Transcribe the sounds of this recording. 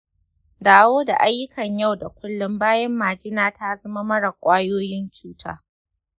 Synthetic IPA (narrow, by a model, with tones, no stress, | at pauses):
daː˨woː˦da̰˨ʔa˦jːʊ˦kʰɐ˨ɲja˦˨wda˨kʷʊ˦lːʊ˦mbaː˦jɛ˦mːaː˨d͡ʒɪ˦naː˦ta˦zɐ˦ma˦mɐ˦ɽɐ˨kʷʼaː˦joː˦jɪ˦nt͡ʃuː˦tʰa̰ː˦